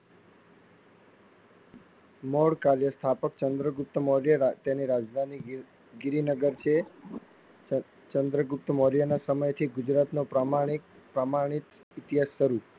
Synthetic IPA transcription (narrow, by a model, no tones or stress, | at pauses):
moɽkaɾjəst̪ʰapəkt͡ʃənd̪ɾəɡʊp̚t̪əmoɾjəat̪jeniɾad͡ʒd̪ʱani | ɡɪɾinəɡəɾt͡ʃʰe | t͡ʃənd̪ɾəɡʊp̚t̪əmoɾjanasəməjt̪ʰiɡʊd͡ʒɾat̪nopɾamãi | pɾəmaɽ̃it̪ | ɪt̪iɦasːəɾu